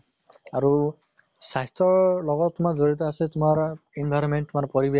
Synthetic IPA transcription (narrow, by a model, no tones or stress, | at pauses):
aɹu | saɦtɔɹlɔɡɔtːʊmakzoɹit̬ɔasɛtʊmaɹinbʱajɾɔnmɛntːʊmaɹpɔɹibɛ